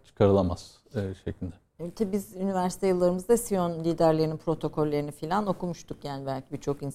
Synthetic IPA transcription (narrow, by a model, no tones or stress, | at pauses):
t͡ʃʰɯ̥kʰaɾɯlˠamaz̥ | ʃeclʲid̪ɛ | t̪ʰabizynivæɾsit̪ʰejɯlˠːaɾɯmɯzd̪asijonlʲiːd̪æɾlʲe̞ɾininpʰɾo̞t̪ʰo̞kʰo̞lʲːeɾinifilʲano̞kumuʃt̪ʰukjaːnʲibælʲcʰibit͡ʃʰo̞kin